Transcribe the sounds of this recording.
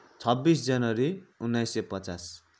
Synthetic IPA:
t͡sʰʌbːisd͡zʌnʌɾiunːajsepʌt͡sas

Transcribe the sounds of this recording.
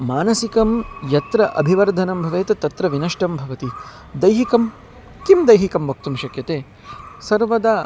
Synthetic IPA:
maːnɐsikɐmjɐt̪ɾɐʔɐ̰bʱiʋɐɾd̪ʱɐnɐmbʱɐʋeːt̪ɐt̪ɐt̪ɾɐʋinɐʂʈɐmbʱɐʋɐt̪i | d̪ɐjɦikɐm | kimd̪ɐjɦikɐmʋɐk̚t̪umʃɐkjɐt̪eː | sɐɾʋɐd̪a

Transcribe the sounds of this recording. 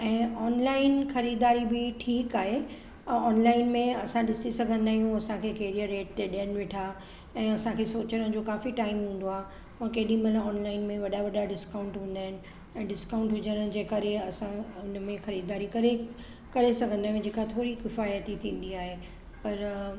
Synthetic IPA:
ɛ̃ːɔːnlaːɪnxɐɾiːd̪aːɾibɪʈʰiːkaːɦe | ɔːnlaːɪnmẽɐsãɗɪsisɐɡʱə̃nd̪aːɦijũɐsãkʰeːkeːɾijəɾeːʈ̚t̪eɗijənɪ̆ʋɪʈʰa | ɛ̃ːɐsãkʰeːsoːt͡ɕəɾən̆d͡ʑoːkaːfiʈaːɪmɦũːn̆d̪oaːɦe | mãkɐɦɗĩmɐlãɔːnlaːɪnmẽʋɐɗaʋɐɗaɖɪskãːʊ̃ɳʈɦũːn̆d̪aːɦɪnɪ̆ | ɛ̃ːɖɪskãːʊ̃ɳʈɦʊd͡ʑənəd͡ʑeːkɐɾeɐsãʊnmẽxɐɾiːd̪aːɾikɐɾe | kɐɾesɐɡʱə̃nd̪aːɦjũd͡ʑeːkat̪ʰoːɾikɪfaːjət̪it̪ʰĩːn̆d̪iaːɦe | pɐɾ

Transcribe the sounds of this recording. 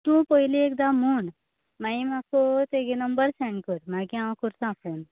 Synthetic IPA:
t̪ũpəɦiliek̚d̪amun | maĩmakot̪eɡenəmbəɾsɛ̃ɳɖkəɾmaɡãʋãkuɾsãpoːn

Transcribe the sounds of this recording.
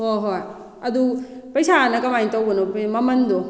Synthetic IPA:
hoɦoj | ɐdupɐjsanɐkɐmajtawɡɐnomɐmɐndo

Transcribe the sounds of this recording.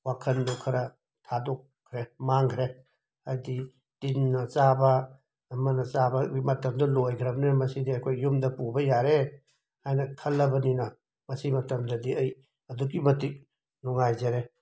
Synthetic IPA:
wakʰɐndɔkʰɐɾɐ | tʰadɔk̚ʰɾemaŋkʰɾe | hajdi | tinːɐt͡ʃabɐː | mɐnɐt͡ʃabɐɡimɐtɐmdɐlojɡʰɾɐbninɐmɐsidiɐjkʰojːumdɐpubɐjaɾe | hajnɐkʰɐlːɐbɐninɐ | mɐsimɐtɐmdɐdiɐj | ɐduɡimɐtik̚ | nɔŋajzɐɾe

